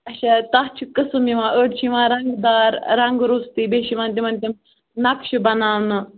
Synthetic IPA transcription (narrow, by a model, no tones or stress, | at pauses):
ɐʃat̪aɦt͡ʃʰukɨsɨmiʋãːʔəɖt͡ʃʰiʋãːɾɐŋɡd̪aːɾɾɐŋɡɾust̪iːbeːʃiʋãːnt̪̬ʲimɐnt̪ʲim | nɐkʃɨbɐnaːwnɨ